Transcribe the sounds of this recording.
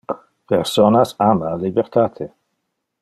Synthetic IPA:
pʰeɾsɔnasamalibeɾt̪ʰat̪ʰe

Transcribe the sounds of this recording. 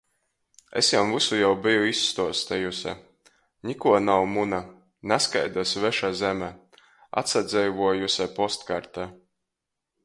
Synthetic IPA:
ḛsjamvusujawbijuisːt̪uɔst̪ajusʲɛ̰ | nʲikuɔnawmuna | naska̰jd̪usvɛʃazɛmɛ | a̰t̪sad̪zɛjvuɔjusʲɛpɔst̪kaɾt̪ɛ

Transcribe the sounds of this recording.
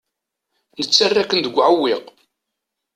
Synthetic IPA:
nət͡sːarːækːənd̪əɡʷːʕəwːɪq

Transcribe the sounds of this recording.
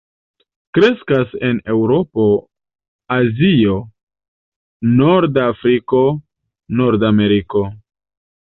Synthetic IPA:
kɾe̞skase̞ne̞wɾo̞po̞ | azio̞ | noɾdafɾiko̞ | noɾdame̞ɾiko̞

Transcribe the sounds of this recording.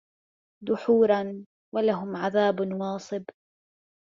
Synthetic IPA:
d̪ʊħuːɾˤɑn | walaɦʊmʕaðaːbnwɑːsˤɨb

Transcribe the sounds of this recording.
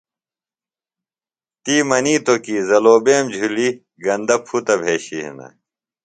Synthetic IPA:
t̪iːmɐniːt̪okiːzɐloːbeːmd͡ʑʱuli | ɡɐnd̪ɐpʰut̪ɐbʱeːɕiɦḛnɐ̰

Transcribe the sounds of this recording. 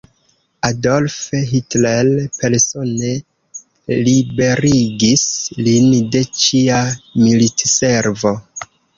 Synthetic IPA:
adolfɦitlelpe̞ɾso̞ne̞ | libe̞ɾiɡislinde̞t͡ʃiamilitse̞ɾvo̞

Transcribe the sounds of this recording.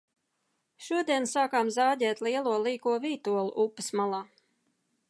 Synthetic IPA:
ʃuɔd̪iɛnsaːkaːmzaːd̪ʲɛːt̪liɛlˠuɔlˠiːkuɔviːt̪uɔlˠṵʔupːɨsmalˠaː

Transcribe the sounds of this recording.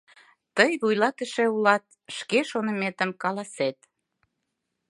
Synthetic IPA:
t̪əjβujlɑt̪ə̆ʃeulɑt̪̚ʃkeʃonə̆met̪ə̆mkɑlɑset̪

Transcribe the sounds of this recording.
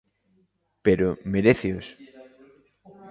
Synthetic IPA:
peɾomeɾeθeos

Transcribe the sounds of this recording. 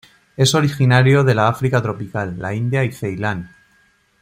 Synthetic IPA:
e̞so̞ɾixinaɾjo̞ð̞e̞laafɾikat̪ɾo̞pikalːa̰ind̪jaiθe̞jlan

